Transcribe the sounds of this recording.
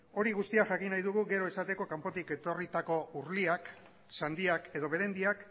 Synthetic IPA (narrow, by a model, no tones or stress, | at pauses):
o̞ɾiɣ̞ust̪iaʝakinajðuɣuɣe̞ɾo̞esat̪e̞ko̞kampo̞t̪ike̞t̪o̞rit̪ako̞uɾliak | sand̪iake̞ð̞o̞βe̞ɾe̞nd̪iak